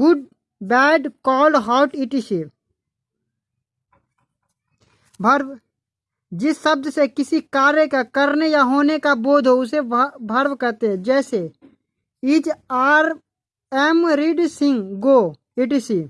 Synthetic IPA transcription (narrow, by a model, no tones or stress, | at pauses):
ɡʊɖ | bɛːɖkɔːlɦaːʊʈɪʈisi | bʱəɾ | d͡ʒɪsːəb̚d̪sekɪsikaːɾjəkakəɾnejaɦoːnekaboːd̪ʱoʊsebʱɐɾʋkəɾt̪eɦɛ̃d͡ʒɛːse | it͡ʃaːɾ | ɛmɾɪɖsɪ̃ŋɡɡoː | ɪʈisi